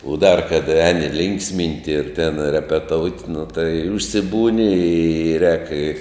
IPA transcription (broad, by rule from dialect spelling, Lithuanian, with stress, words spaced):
ʊ ˈdɐr kɐt ˈæːnʲɪ ˈlʲɪŋksʲˌmʲɪnʲtʲɪ ɪr tʲɛn rʲɛpʲɛˈtoːʊtʲ nʊ tɐɪ ʊʃʲsʲɪˈbuːnʲɪ ɪ rʲɛːk ɪ